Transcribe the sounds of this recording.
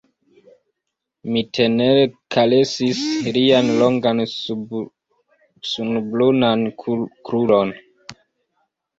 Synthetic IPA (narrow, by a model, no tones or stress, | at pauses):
mitʰenekʰalesislianloŋɡan | sunblunankɾulon